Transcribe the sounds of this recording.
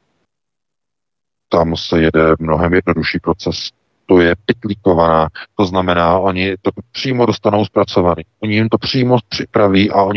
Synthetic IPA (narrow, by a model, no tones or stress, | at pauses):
t̪amsɛjɛdɛmno̞ɦɛmjɛd̚no̞duʃiːpɾo̞t͡sɛs | t̪o̞jɛp̚ɪt̪lɪko̞vanaːt̪o̞znamɛnaːʔo̞ɲɪt̪o̞pr̝̥iːmo̞do̞st̪ano̞wspɾat͡so̞vaniːʔoɲɪjɪmt̪o̞pr̝̥iːmo̞pr̝̥ɪpɾaviːʔaʔo̞ɲ